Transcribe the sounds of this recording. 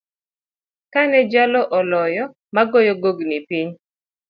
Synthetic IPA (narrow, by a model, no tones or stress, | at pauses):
kanɛd͡ʒalɔʔɔlɔjɔ | maɡojɔɡoɡnipiɲ